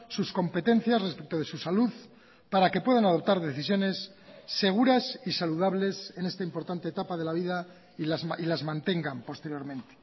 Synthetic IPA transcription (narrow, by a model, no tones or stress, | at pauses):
susko̞mpe̞t̪e̞n̟θjazrespek̚t̪oð̞e̞susaluð | paɾake̞pwe̞ð̞anað̞o̞p̚t̪aɾðe̞θisjo̞ne̞sː | e̞ɣ̞uɾasisaluð̞aβle̞se̞ne̞st̪aimpo̞ɾt̪ant̪eːt̪apaðelaβ̞iða | ilazilazmãnt̪e̞ŋɡampo̞st̪e̞ɾjo̞ɾmẽ̞nt̪e̥